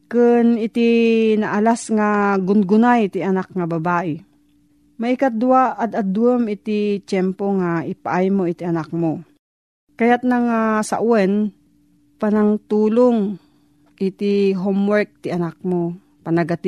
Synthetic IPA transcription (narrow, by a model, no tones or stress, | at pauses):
kɨnɪt̪inɐʔalasŋaɡʊnɡʊnajt̪iɐnak̚ŋabɐbaːʔɪ | mɐʔikad̪ʊwaʔːd̪ɐd̪wɛmɪt̪ɪt͡ʃɛmpoŋaʔɪpaʔajmoɪt̪iɐnak̚mo | kɐjat̪̚naŋasa̰ʔuwɛn | panaŋt̪uːloŋ | ʔɪt̪ɪɦomwɛɹk̚t̪ɪʔɐnak̚mo | pɐnɐɡat̪